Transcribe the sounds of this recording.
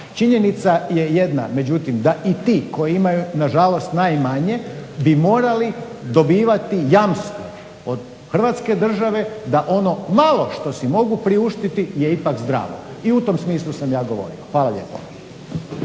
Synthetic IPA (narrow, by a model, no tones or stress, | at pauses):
t͡ʃiɲe̞nit̪saje̞je̞d̪na̰me̞d͡ʑut̪imd̪aʔit̪iːko̞jiimajunaʒalo̞st̪najmaɲe̞bimoːɾali | d̪o̞biːʋat̪ijamst̪o | od̪ | xr̩ʋaːt̪ske̞d̪r̩ʒaʋe̞d̪aʔo̞no̞malˠo̞ʃt̪o̞simo̞ɡupɾiuʃt̪it̪ijeipakzd̪ɾa̰ːʋo̰ | iut̪o̞msmiːslˠusamjaːɡo̞ʋo̞̰ɾḭoxʋaːlˠaʎe̞̰po̰